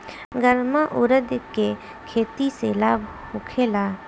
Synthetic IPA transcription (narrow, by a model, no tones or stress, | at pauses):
ɡəɾmaʔʊɾəd̪ke | kʰeːt̪iselaːbʱ | hʊkʰeːlaː